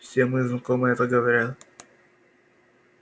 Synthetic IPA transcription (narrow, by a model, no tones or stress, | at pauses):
fsʲemɨznɐkomɨɛt̪əɡəʋɐɾʲat̪